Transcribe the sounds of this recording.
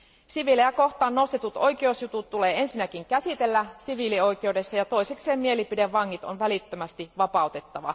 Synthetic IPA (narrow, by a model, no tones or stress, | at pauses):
siʋilejæko̞xt̪ɑːnːo̞st̪et̪ut̪o̞jkeosjut̪ut̪t̪ːuleːensinækiŋkæsit̪e̞lːæsiʋilio̞jk̟e̞wde̞sːɑjɑt̪o̞ise̞kse̞ːmmie̞lipideʋʋɑŋːit̪onʋælit̪ːømæst̪iʋɑpɑˑut̪e̞t̪ːɑʋɑ̰